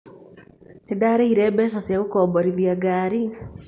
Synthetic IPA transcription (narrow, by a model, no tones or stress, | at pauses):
tedaɾeiɾɛːbɛːs̬asjaɣukoːboɾiðjaɡaːɾi